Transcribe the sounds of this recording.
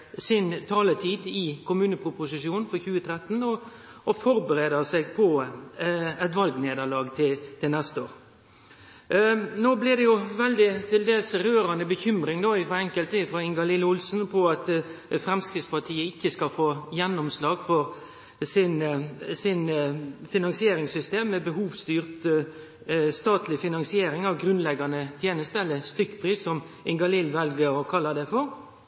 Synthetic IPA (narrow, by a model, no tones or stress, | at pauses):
sɪnt̪ʰɑːlət̪ʰiːd̪ɪkʰʊmʉːnəpʰɾʊpʊsɪʂjuːnn̩fɔçʉːət̪ʰɾɛt̪ːn̩ɔ | ɔfɔɾbəɾeːd̪əʁsɛɡ̚pʰɔ | ɛt̪ʋɑlɡneːd̪əʁɭɑːɡt̪ʰɪt̪ʰɪlnɛst̪əoːɾ | noːblɪd̪ɛjʊʋɛld̪ɪt̪ʰɪld̪eːlsɾøːɾɑnəbəçʏmɾɪŋd̪oːɪfɔɛŋkəlt̪əɪfɾʁɑːɪŋɡɑlɪləʊlsn̩pʰɔɑt̪fʁɛmskɪspɑʁt̪ʰiːəɪçːəskɑfoːjɛnːɔmslɑːɡ̥fɔɾ | sɪnsɪnfɪnɑŋsɪeːɾɪŋsʏst̪eːmːɛbəɦuːʋst̪yːʁt̪ | st̪ɑːt̪ʰlɪfɪnɑŋsɪeːɾɪŋɑʋɡɾʉnlɛɡɑnət̪ʰjeːnəst̪əɛlːəst̪ʏkːpʰʁiːsːɔm | ʔɪŋɡɑlɪlʋɛlɡəɾɔkʰɑlːəd̪ɛfɔʁ